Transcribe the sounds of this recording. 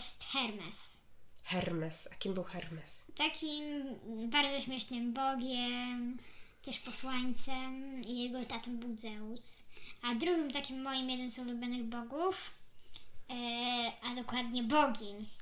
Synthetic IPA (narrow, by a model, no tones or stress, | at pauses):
jɛst̪xɛɾmɛs | xɛɾmɛsakʲimbɘwxɛɾmɛst̪akʲimbaɾd̪zɔɕmʲjɛʂnɘmbɔɡʲjɛmt̪ɛʂpɔswaɲt̪sɛmijɛɡɔɛt̪at̪ɔmbud̪zɛusad̪ɾuɡʲimt̪akʲimːɔjimjɛd̪ɨmsɔulubʲjɔnɘɣbɔɡuf | ad̪ɔkwad̪ɲɛbɔɡʲiɲ